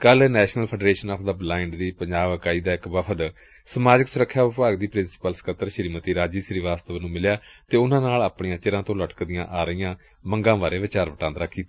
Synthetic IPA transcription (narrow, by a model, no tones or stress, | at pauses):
kəlnɛːʃnəlpʰəɖɾeːʃənɔːpʰd̪əbɪlaːɪɳɖd̪iːpəɲd͡ʒaːʋəkaːiːd̪aːɪkʋəpʰəd̪ | səmaːd͡ʒəksʊɾəkʰːjaːʊpaːɡd̪iːpɾɪnsɪ̥pəlsə̥kət̪ːəɾʃəɾiːmət̪iːɾaːd͡ʒiːsɾiːʋaːst̪əʋnũːmɪljaːt̪eːʊnãːnaːlaːpɳijãːt͡ʃɪɾãːt̪õːləʈkd̪ɪjãːʔaːɾəijãː | məŋɡãːʋaːɾeːʋɪt͡ʃaːɾʋəʈãːnd̪ɾaːkʰːiːt̪ː